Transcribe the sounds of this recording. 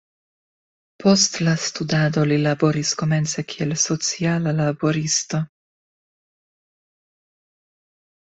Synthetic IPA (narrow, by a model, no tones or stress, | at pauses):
pʰost̪last̪ud̪aːd̪olilaboɾiskomɛnsekʰiɛlsot̪t͡s̪jaːlalaboɾist̪o